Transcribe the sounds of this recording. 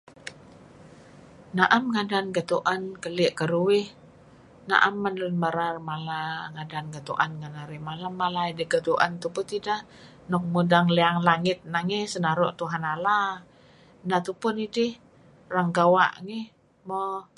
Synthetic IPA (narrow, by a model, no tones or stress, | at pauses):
naʔamŋadanɡət̪uʔankəlɪʔkəɾuwɪh | na̰ʔamːanənməɾarmalaŋadanɡət̪uʔanŋanaɾimalamːalaidəɡət̪uʔa̰nt̪upʊt̪ida | nɔk̚mudaŋleaŋlaŋɪt̪̚naŋɛsənaɾɔʔt̪uɦanala | nat̪upʊnidɪh | raŋɡawa̰ʔŋɛ | mɔ